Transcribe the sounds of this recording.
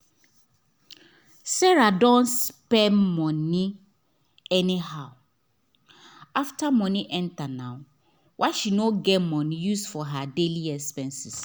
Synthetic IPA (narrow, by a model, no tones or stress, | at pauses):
sɛɹadɔ̃nspɛnmɔ̃nĩ | ɛnĩhaʊ | aftamɔ̃nĩʔɛ̃ntanãʊ | wʔaʃinoɡɛmɔ̃ñjusfɔɦadeliɛkspɛ̃nsɪs